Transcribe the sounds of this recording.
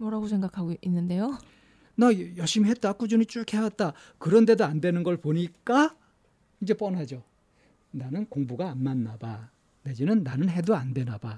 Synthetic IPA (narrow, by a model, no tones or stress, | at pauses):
mʌɾaɡosʰe̞ŋɡakʰaɡoinːɯnde̞jo | najʌɭɕ͈ʰimiɦe̞t̚t͈ak͈ud͡ʑunit͡ɕ͈ukʰe̞wat̚t͈a | kɯɾʌnde̞doandwe̞nɯnɡʌɭpoɲik͈a | ind͡ʑe̞p͈ʌnad͡ʑo | nanɯnkoŋbuɡaːnmanːaba | ned͡ʑinɯnːanɯnɦe̞doandwe̞naba